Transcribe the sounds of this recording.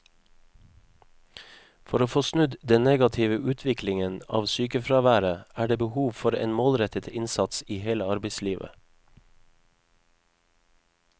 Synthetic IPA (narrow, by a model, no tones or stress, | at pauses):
fɔɾoːfoːsnʉd̪d̪ɛnneːɡɑt̪ʰɪʋəʔʉːt̪ʰʋɪklɪŋənɑ̰ːʋsyːkəfɾɑːʋæːɾəʔæːɖeːbəhuːʋfɔɾḛːnmoːlɾɛt̪ət̪ɪnsɑt̪siːheːləɑɾbəɪsliːʋʔə̰